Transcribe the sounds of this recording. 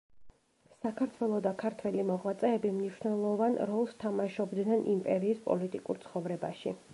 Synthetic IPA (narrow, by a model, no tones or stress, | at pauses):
sakʰaɾt̪ʰwɛlˠɔd̪akʰaɾt̪ʰwɛlimɔʁwat̪sʼɛːbimniʃnɛlˠɔvanɾɔlˠst̪ʰamaʃɔbd̪nɛnʔimpʼɛɾiːspʼɔ̰lit̪ʼikʼṵɾt̪sʰχɔvɾɛbaʃḭ